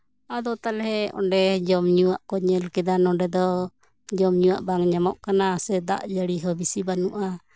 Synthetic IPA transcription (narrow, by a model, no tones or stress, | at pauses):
ad̪ɔt̪alɦɛʔɔ̰ɳɖɛd͡ʒɔmɲuaʔkɔɲɛlkɛd̪anɔɖɛd̪ɔ | d͡ʒɔmɲuaʔbaŋɲamɔʔkanasɛd̪a̰ʔd͡ʒəɽiɦɔbisibanuʔa